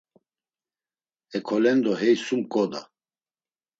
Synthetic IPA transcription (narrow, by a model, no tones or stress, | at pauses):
ɛkʰɔlɛnd̪ɔɦɛjsumkʼɔd̪a̰